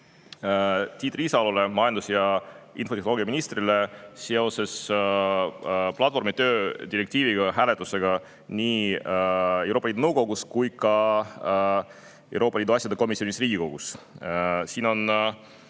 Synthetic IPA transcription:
t̪iːt̪riːsɑolole̞mɑjɑnd̪usjɑḭnfo̞t̪e̞hnooɡijɑminist̪rileseo̞se̞s | plɑt̪fo̞ɾmit̪ø̞ːd̪̥ʲiɾe̞k̚t̪iːviɡ̥ɑɦæːle̞t̪ːˑuse̞ɡ̥ɑ | nʲiː | e̞wɾopːɑliːd̪unɤwko̞ɡuskujkɑ | ewɾo̞ːpːˑɑliːd̪uɑsʲjɑd̪eko̞misio̞nisriːɡ̥ʲiko̞ɡ̥us | siːno̞n

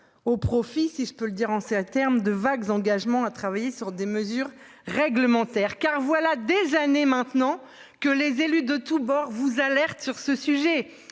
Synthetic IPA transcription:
opχɔfisiʒəpøləd̪iʁɑ̃sɛt̪ɛʁmd̪əvaɡzɑ̃ɡaʒmɑ̃at̪χavajesyʁd̪eməzyʁː | ɛɡləmɑ̃t̪ɛʁkaʁvwalad̪ezanemɛ̃t̪nɑ̃ | kəlezelyd̪ət̪ubɔʁvuzalɛʁt̪syʁsəsyʒɛ

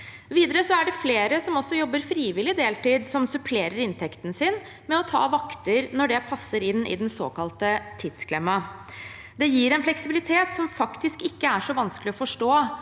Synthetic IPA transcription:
ʋiːd̪əɾəsɔæɖɛfleːɾəsɔmɔsːɔjɔbːəɾfɾiːʋɪlɪd̪eːlt̪iːd̪sɔmsʉpʰleːɾəɾɪnt̪ʰɛkt̪n̩sɪn | mɛɔt̪ʰɑ̰ːʋɑkt̪əɾnɔɖɛpʰɑsːəɾɪnːɪ̰d̪ɛnso̰ːkɑlt̪ət̪ʰɪd̪sklɛmːɑ | d̪ɛjiːɾɛnflɛksɪbɪlɪt̪ʰeːt̪sɔmfɑkt̪ɪskɪkːəæʂɔʋɑnskəlɪɔfɔʂʈoː

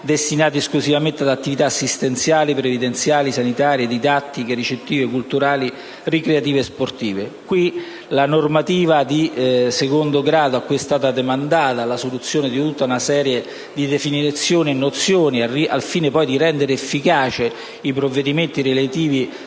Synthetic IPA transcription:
d̪est̪inaːt̪iesklusivament̪ead̪at̪ːivit̪aːsːist̪ent̪sjaːlipɾevid̪ent̪sjaːlisanit̪aːɾjed̪id̪at̪ːik̟eɾit͡ʃet̪ːiːvekult̪uɾaːli | rikɾeat̪iːvesport̪iːvekwi | lanormat̪iːvad̪isekond̪oɡɾaːd̪oakːiɛst̪aːt̪ad̪emand̪aːt̪alasolut̪sːjoːned̪it̪ut̪ːaunasɛːɾje | d̪id̪efinit̪sːjoːnienːot̪sːjoːniaria̰lfiːnepɔjd̪iɾɛnd̪eɾeːfːikaːt͡ʃe | ipɾovːed̪iment̪iɾelat̪iːvi

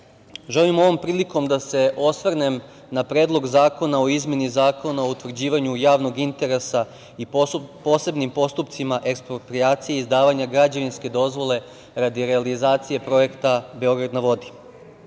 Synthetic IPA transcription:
ʒelimo̞ʋo̞mpɾiːliko̞md̪ase̞ʔo̞sʋrne̞m | napɾeːd̪lˠo̞ɡzaːko̞nao̞izmʲje̞nizaːko̞nao̞ut̪ʋrd͡ʑiːʋaɲujaːʋno̞ɡint̪e̞ɾe̞sa | ipo̞se̞bnimpo̞st̪upt̪simaʔe̞kspɾopɾiaːt̪sijeizd̪aːʋaɲaɡɾad͡ʑaʋinskʲe̞d̪o̞zʋo̞le̞ | ɾad̪iɾealizaːt̪sije̞pɾo̞je̞kt̪abe̞o̞ɡɾad̪naʋo̞d̪i̥

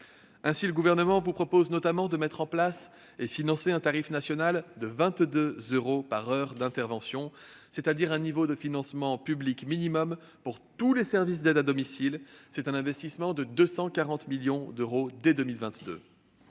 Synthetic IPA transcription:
ɛ̃siləɡuvɛʁnəmɑ̃vupχɔpoznɔt̪amɑ̃d̪əmɛt̪χɑ̃plas | efinɑ̃seɛ̃t̪aʁifnasjɔnald̪əvɛ̃t̪d̪øzøʁopaʁœʁd̪ɛ̃t̪ɛʁvɑ̃sjɔ̃ | set̪ad̪iʁɛ̃nivod̪əfinɑ̃smɑ̃pyblikminimɔm | puʁt̪ulesɛʁvis̬d̪ɛd̪ad̪ɔmisilsɛt̪ɛ̃nɛ̃vɛst̪ismɑ̃d̪əd̪øsɑ̃kaʁɑ̃t̪miljɔ̃d̪øʁod̪ɛd̪ømilvɛ̃t̪d̪ø̰

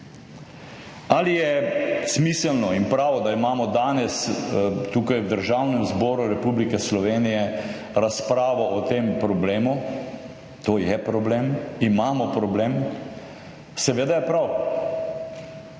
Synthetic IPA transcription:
alijɛsmiːsəlnɔinpɾaːʋɔd̪aimaːmɔd̪aːnɛst̪uːkajwd̪əɾʒawnɛmzbɔːɾuɾɛpublikɛslɔʋeːnijɛ | ɾaspɾaːʋɔɔt̪empɾɔbleːmu | t̪oːjɛpɾɔblemimaːmɔpɾɔbleːm | sɛʋeːd̪ajɛpɾaw

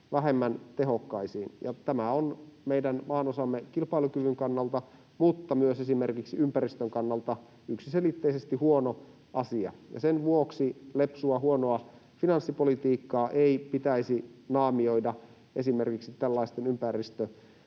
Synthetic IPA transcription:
ʋæɦemːænt̪eɦokːɑisiːnjɑ̰t̪æmæonmeidænmɑːnosɑmːekilpɑilukyʋyŋkɑnːɑlt̪ɑ | mut̪ːɑmyøsesimerkiksiympæɾist̪øŋkɑnːɑlt̪ɑ | yksiselit̪ːeisest̪ihuono | ɑsiɑ̰jɑ̰senʋuoksilepsuɑhuonoɑ | finɑnsːipolit̪iːkːɑːʔeipit̪æisinɑːmio̞idɑ | ʔesimerkiksit̪ælːɑist̪enympærist̪ø

